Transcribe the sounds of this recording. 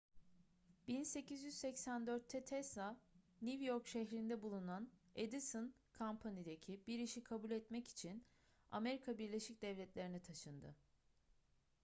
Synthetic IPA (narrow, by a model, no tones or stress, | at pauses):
b̥inse̞cizjyz̥sɛcsænd̪øɾt̪ʰːɛt̪ʰɛsanʲivjoɾkʃɛçɾind̪ɛbulˠunaned̪isɯn | kʰampʰanid̪ecʰibiɾiʃikʰabulʲɛt̪mɛci̥t͡ʃʰin | a̰me̞ɾikʰabiɾlʲe̞ʃic̚d̪ɛvlʲɛt̪lʲe̞ɾinit̪ʰaʃɯnd̪ɯ̰